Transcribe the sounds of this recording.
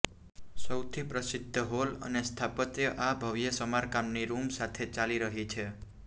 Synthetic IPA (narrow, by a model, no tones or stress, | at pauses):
səwt̪ʰipɾəsɪd̪ʱːəɦolə̰nest̪ʰapət̪jəʔabʱəʋjəsəmaɾkamniɾumsat̪ʰet͡ʃaliɾəɦit͡ʃʰe